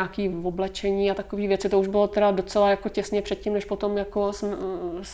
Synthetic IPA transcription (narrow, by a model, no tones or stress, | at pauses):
akiːvoblɛt͡ʃɛɲiːat̪akoviːvjɛt͡sɪt̪ouʒbɪlo̞t̪ɛɾado̞t͡sɛlajako̞cɛsɲɛpr̥ɛt̪̚cimnɛʃpot̪o̞mjakosms